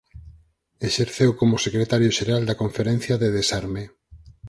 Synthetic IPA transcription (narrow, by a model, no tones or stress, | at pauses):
eʃeɾθewkomosekɾet̪aɾjoʃeɾald̪akoɱfeɾɛn̟θjaðeðesaɾme